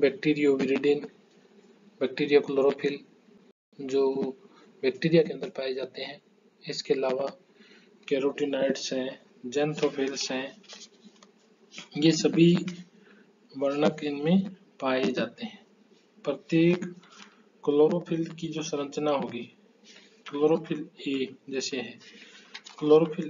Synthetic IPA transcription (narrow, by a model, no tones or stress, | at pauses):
bɛːk̚ʈiːɾijoʋɪɾiɖɪn | bɛːk̚ʈiːɾijakloːɾopʰɪl | d͡ʒoː | bɛːk̚ʈiːɾijakeə̃nd̪əɾpaːed͡ʒaːt̪eɦɛ̃ː | ɪskeɐlaːʋa | keːɾoːʈinaːɪɖsɦɛ̃ | d͡ʒɛ̃nt̪ʰopʰɪlsɦɛ̃ | jesəbʱi | ʋəɾnəkɪnmẽ | paːed͡ʒaːt̪eɦɛ̃ː | pɾət̪jeːkː | əloːɾopʰɪlkid͡ʒoːsə̃ɾə̃t͡ʃnaɦoːɡi | kloːɾopʰɪled͡ʒɛːseɦɛ̃ː | kloːɾopʰɪl